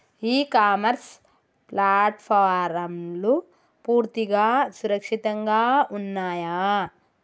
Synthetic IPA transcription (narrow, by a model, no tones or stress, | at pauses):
iːkaːmɐɾs | plaːʈpʰaːɾɐmlu | puːɾt̪iɡaːsuɾɐkʂit̪ɐŋɡaːunːaːjaː